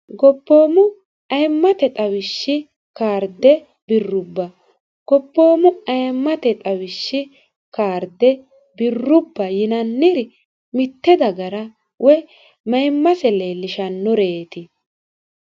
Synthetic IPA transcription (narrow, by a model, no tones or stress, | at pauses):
ɡɔpːo̞ːmʊ | ɐjmːɐt̪ɛt̪ʼɐwɪʃːɪ | kaːɾd̪ɛ | bɪrːʊbːɐ | ɡ̥ɔpːoːmʊɐjmːɐt̪ɛt̪ʼɐwɪʃːɪ | kaːɾd̪ɛ | bɪrːʊbːɐjɪnɐnːɪɾ | mɪt̪ːɛd̪ɐɡɐɾɐ | wʔɛ | mɐjmːɐsɛleːlːɪʃɐnːɔɾeːt̪ɪ